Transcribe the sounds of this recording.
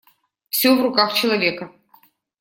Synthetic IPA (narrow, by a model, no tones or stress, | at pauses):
fsʲovrʊkaxt͡ɕɪlˠɐvʲekɐ